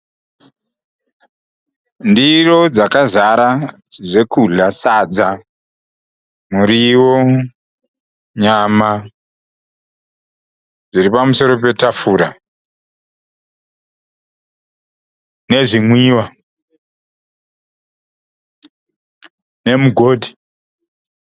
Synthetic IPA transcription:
ndiro̞d͡zakazaɾa | ʐe̞kuɮasad͡za | muɾiwo | ɲama | ʐiɾipamuso̞ɾo̞p̬e̞tafuɾa | ne̞ʐimwiːwa | ne̞muɡʱoːdʱi

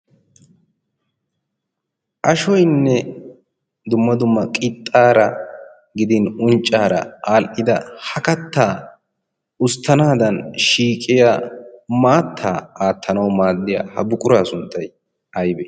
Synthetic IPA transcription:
ʔɐʃɔjnːɛ | d̪ʊmːɐd̪ʊmːɐkʼɪt̪ʼːaːɾɐ | ɡɪd̪ɪnʊnt͡ʃʼːaːɾɐ̰aːlʔɪd̪ɐhɐkɐt̪ːaː | ʊst̪ʰːɐnaːd̪ɐnʃiːkʼɪjamaːt̪ʰːaːaːt̪ʰːɐnɐwmaːd̪ːɪja̰ːhɐbʊkʼʊɾaːsʊnt̪ʰːɐj | ɐjbɛ

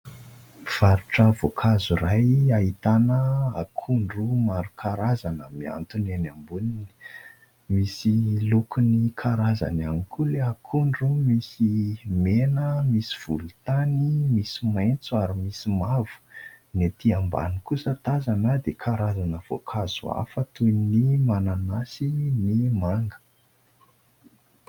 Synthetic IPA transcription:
v̥aɾuʈ͡ʂəvokʰazurajait̪anəa̰kʰuɳɖ͡ʐumaɾukʰaɾazanəmia̰nt̪unenambunini̥ | misilukʰunikʰaɾaza̰nanikʰuleakʰuɳɖ͡ʐumisimenəmisi̥v̥ṵlut̪animisimajnt͡suaɾimisimavu̥ | net̪iamba̰nikusət̪azanəd̪ekʰaɾazanəv̥o̰kʰaz̥ua̰fət̪unimananasinimaŋɡə̥

